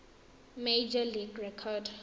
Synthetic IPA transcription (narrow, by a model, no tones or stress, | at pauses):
med͡ʒaliɡɹɛkʰɔd